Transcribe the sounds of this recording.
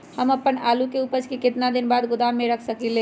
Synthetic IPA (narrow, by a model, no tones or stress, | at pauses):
həməpːənaːlukeupəd͡ʒkekɪt̪nad̪ɪnbaːd̪ɡʊd̪amːeɾəkʰsəkile